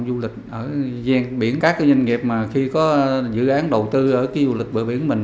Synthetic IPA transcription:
ŋ͡mzu˧lï˨˩k̟̚ʔəː˧˩zɛ˧ŋɓi˧˩ənkaː˦˥kːɲa˧ŋ̟ŋi˨˩əp̚maː˨˩xi˧kɔ˨˦zɨ̰˧˨ʔaː˨˦nɗə˨˩wt̪ɨ˧ʔəː˧˩kaː˨˦jzu˧lï˨˩k̚ɓəː˧˩jɓi˧˩ənmï˨˩ŋ

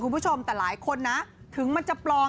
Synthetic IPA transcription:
uː˧npʰu˥t͡ɕʰo˧mt̪ɛː˨˩laː˩˦jkʰo˧nːa˦˥ʔ | t̪ʰɯ˩˦ŋma˧nt͡ɕa˨˩plɔː˧

